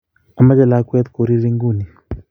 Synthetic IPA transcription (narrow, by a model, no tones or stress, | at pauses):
amad͡ʒalakwɛt̪kuɾiɾiŋɡuni